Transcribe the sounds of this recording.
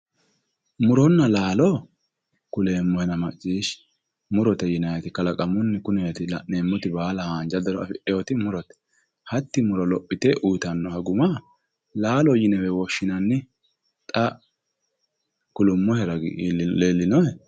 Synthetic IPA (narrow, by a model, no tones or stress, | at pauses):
mʊɾɔnːɐlaːlɔ | kʊleːmːɔhɛnɐmɐt͡ʃʼːiːʃ | mʊɾɔt̪ɛjɪnɐjɐt̪ɪkɐlɐkʼɐmʊnːɛkʊnɛɛt̪ɪlɐ̰ʔneːmːʊt̪ɪbaːlɐhaːnd͡ʒɐd̪ɐɾɔɐ̰fɪʔɛjɔt̪ɪmʊɾɔt̪ɛ̥ | hɐt̪ːɪmʊɾɔlɔpʼːɪt̪ɛʔuːt̪ɐnːɔhɐɡʊmɐ | laːlɔjɪnɛwɛwɔʃːɪnɐnːɪ | t̪ʼɐ | kʊlʊmːɔhɛɾɐɡ̰leːlːɪnɔjɛ